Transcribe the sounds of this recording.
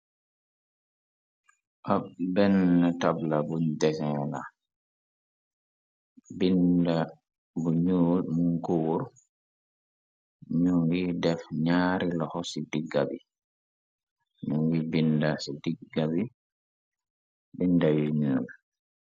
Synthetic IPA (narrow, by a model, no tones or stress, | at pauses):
ʔabɛnːatablabundɛsɛla̰ | binda | buɲuːlmuŋkowɾ | ɲuŋɡidɛfɲaːɾilɔhɔsidiɡːabḭ | ɲuŋɡibindasidiɡabi | bindajuɲuːɾ